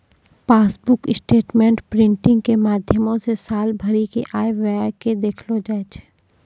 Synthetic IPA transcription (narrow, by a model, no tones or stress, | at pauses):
paːsbʊkɪsʈeːʈmẽːɳʈpɾɪ̃ɳʈɪ̃ŋɡkemaːd̪ʱjəmõsesaːlbʱɐɾikeʔaːeʋaaked̪eːkʰlod͡ʒaːet͡ʃʰː